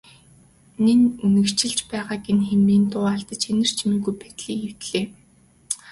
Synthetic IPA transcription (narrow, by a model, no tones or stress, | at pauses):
nenɵnɘ̆kt͡ɕɪ̆ɮt͡ɕpæːʁaːɡenxemiːnt̪ʊːaɮt̪ə̆t͡ɕxenɘ̆r̥t͡ɕʰmĭɣujpæt̪ɮiːkew̥t̪ɮeː